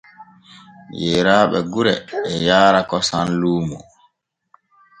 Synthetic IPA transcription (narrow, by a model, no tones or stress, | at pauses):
jɛːɾaːɓɛɡuɾɛ̰ːjaːɾakɔsanluːmu